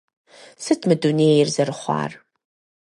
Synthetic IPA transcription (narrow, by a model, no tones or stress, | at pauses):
sɨtʰmɨduneːjɪrzɐɾɨχʷɑ̰ːr